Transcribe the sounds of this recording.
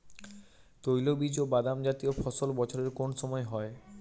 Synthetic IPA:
t̪ojlobid͡ʑobad̪amd͡ʑat̪iofʰɔsolbɔt͡ɕʰoɾeɾkonʃɔmɔeɦɔe

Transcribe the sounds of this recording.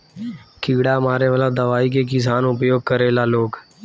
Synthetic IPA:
kiɡɽamaːɾeʋəlad̪əʋaːik̬ekɪs̬aːnʊpjoːɡ̚kəɾeːlaːloːɡ

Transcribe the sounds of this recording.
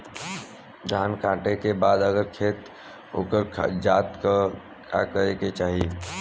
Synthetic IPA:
d̪ʱankãʈekebad̪əɡəɾkʰet̪ | o̰kəɾd͡ʒat̪kə | ka̰kəɾeket͡ʃaːɦi

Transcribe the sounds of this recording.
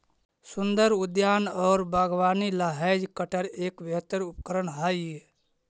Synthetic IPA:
sund̪əɾud̪jaːnɔːɾbʱaːɡʋaːnilaɦad͡ʒkəʈəɾeːkbəɦt̪əɾup̚kəɾənɦaje

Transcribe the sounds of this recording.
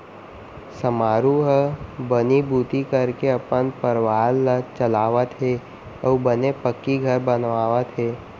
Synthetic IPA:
səmaːɾuɦəbənibuːt̪ikəɾkeɐpənpəɾʋaːlːət͡ʃəlaːʋət̪ɦe | əːbənepəkːiɡʱəɾbənʋaːʋət̪ɦeː

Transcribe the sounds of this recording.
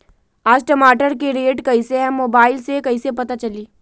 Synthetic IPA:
aːsʈɐmaːʈəɾkeɾeːʈkɐiseɦɛ̃moːbaːɪlsekɐisepɐt̪at͡ʃɐliː

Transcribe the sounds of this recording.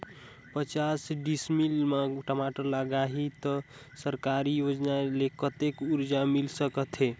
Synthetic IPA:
pət͡ʃasɖismilmaʈəmaʈəɾləɡaɦit̪ɔ | səɾkaɾijod͡ʒnalekət̪ekuɾd͡ʒamilsəkət̪ʰe

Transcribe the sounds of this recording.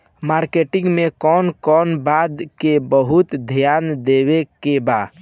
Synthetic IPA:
maːɾkeʈɪ̃ŋɡmekɔːnkɔːnbad̪kebəɦʊt̪d̪ʱjaːnd̪ewekeba

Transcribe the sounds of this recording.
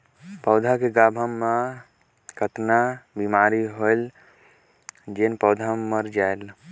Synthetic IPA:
pəʊd̪ʱakeɡaːbʱəmːa | kʰət̪nabimaːɾiɦoel | d͡ʒenpəʊd̪ʱaːəɾd͡ʒael

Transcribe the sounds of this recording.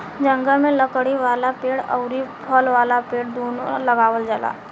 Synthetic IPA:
d͡ʒɐ̃ŋɡəlmẽləkɽiʋaːlapeːɽə̰ʊɾipʰɔlʋaːlapeːɽd̪oːnolɐɡaːʋəld͡ʒəla̰ː

